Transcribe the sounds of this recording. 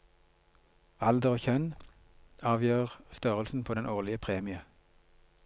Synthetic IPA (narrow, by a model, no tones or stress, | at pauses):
ɑld̪əʁoːçœn | ɑːʋjøːʁst̪œʁəlsn̩pʰoːd̪ɛnʔoːʁlɪəpʰʁeːmɪə